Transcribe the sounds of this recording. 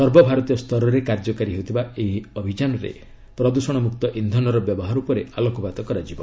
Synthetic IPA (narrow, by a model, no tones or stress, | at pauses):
sɔɾbɔbʱaɾɔt̪ijɔst̪ʰɔɾɔɾekaɾd͡ʒɔkaɾiɦeut̪ʰibaeɦiɔbʱid͡ʒanɔɾḛ | pɾɔd̪usɔɽ̃ɔmukt̪ɔʔind̪ʱɔnɔɾɔbjɔbɔɦaɾupɔɾealɔkɔbad̪ɔkɔɾad͡ʒibɔ